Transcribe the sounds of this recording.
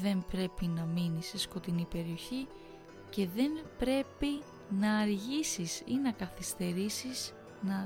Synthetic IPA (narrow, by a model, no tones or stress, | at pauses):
ðe̞mpɾe̞pinɐminise̞sko̞t̪inipe̞ɾio̞çi | ce̞ðe̞mpɾe̞pi | nɐːɾʝisisinɐkɐθist̪e̞ɾisiz̥ | nɐ